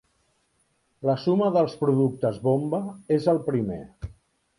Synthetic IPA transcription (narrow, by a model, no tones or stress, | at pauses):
ləsuməðəlˠspɾuðuk̚t̪əzβombəezəlˠpɾimḛ